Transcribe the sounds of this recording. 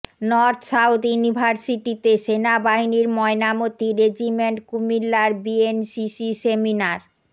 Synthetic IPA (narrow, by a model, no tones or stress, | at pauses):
nɔɾt̪ʰsawd̪junibʱaɾsiʈit̪eʃenabaɦiniɾmɔenamot̪iɾed͡ʑimeɳʈkumilːaɾbiensisiseminaɾ